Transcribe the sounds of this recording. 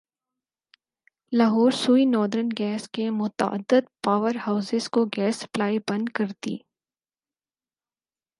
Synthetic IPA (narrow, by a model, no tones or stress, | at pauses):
laɦɔːɾsuːinɔːɾd̪əɾənɡɛːskemʊt̪ə̰ə̰d̪ːəd̪paːʋəɾhaːʊsɪzkoɡɛːsɐ̥plaːibɐ̃nd̪kɐɾt̪ḭː